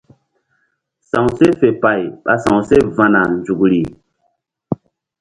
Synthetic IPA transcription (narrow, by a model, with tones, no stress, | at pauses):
sã˨ŋse˦fe˨pa˨jɓa̰˨sã˨wse˦vã˨na˨nd͡ʒu˨kɾi˨